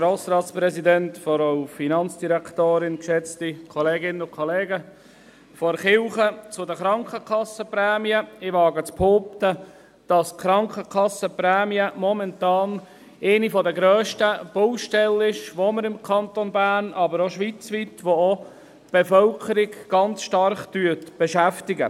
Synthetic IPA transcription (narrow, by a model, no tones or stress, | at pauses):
ɾoːsɾɑːtspɾɛsidɛntfɔɾaʊfinɑnt͡sd̥iɾæktoːɾɪnkʃɛt͡stikʰɔleːɡɪnəʊkʰɔleːɡə | fɔɾχɪlχət͡sʊdəχɾɑŋkʰəkʰɑsəprɛːmiəɪʋɑːɡət͡sphoːp̚tə | d̥ɑsχɾɑŋkʰəkʰɑsəprɛːmiəmɔmɛntɑːn | eɪnifɔdəɡɾøːʃtəb̥oʊʃtɛlɪʃʋoməɾɪmkʰɑnt̪onbæːɾnɑbəɾoʃʋit͡sʋiːtʋoo | b̥ɛfœlkʰəɾɪɡɡ̥ɑnt͡sʃtɑrχtyːtb̥ɛʃæftɪɡə